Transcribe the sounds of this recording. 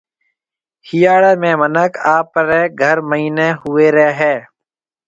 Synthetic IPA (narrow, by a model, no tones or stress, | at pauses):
hijaːɽeːmẽːmənəkaːpɾeːɡʱəɾməɦiːneːɦʊeːɾeːɦɛː